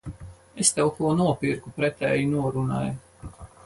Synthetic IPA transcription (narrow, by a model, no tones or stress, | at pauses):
est̪ɛwkuɔnuɔpiɾkupɾɛt̪ɛːjinuɔɾunaːju